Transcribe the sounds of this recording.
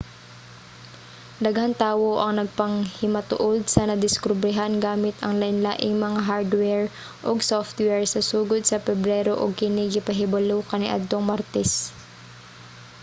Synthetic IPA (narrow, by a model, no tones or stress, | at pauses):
d̪ɐɡhant̪aːwoʔɐŋnɐɡ̚pɐŋhɪmɐt̪ʊ̰ʔod̪̚sɐnɐd̪ɪskʊbɾɪɦanɡaːmɪt̪ɐŋlɐʔɪnlaːʔɪŋmɐŋaɦaɾd̪wɛɹ | ʔoɡsoft̪wɛɹsɐsuːɡod̪̚sɐpɛbɾɛːɾoʔoɡ̚kɪniɡɪpɐɦɪbɐlowkɐnɪʔɐ̰d̪̚t̪oŋmaɾt̪ɛs